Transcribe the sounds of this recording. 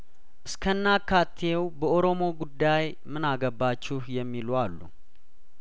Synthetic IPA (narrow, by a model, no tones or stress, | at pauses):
ʔɨskʰənːakʰːat̪ʰewbəʔoɾo̞mo̞ɡud̪ːaj | mɨnaɡəbːat͡ʃːɪhjɛmːilwalːṵ